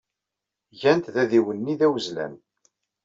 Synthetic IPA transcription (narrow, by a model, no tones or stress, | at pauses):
ʝænt̪ðæðiwənːiðæwəzlæ̰n